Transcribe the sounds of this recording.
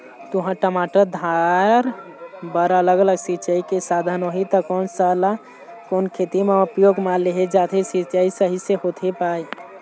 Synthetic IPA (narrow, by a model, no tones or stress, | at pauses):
t̪uɦãʈəmaʈəɾd̪ʱaɾ | bəɾələɡələɡsit͡ʃəikesad̪ʱənoɦit̪əkɔːnsala | koːnkʰet̪imẽupjoɡmãleɦed͡ʒat̪ʰesit͡ʃəisəɦiseɦot̪ʰepaːi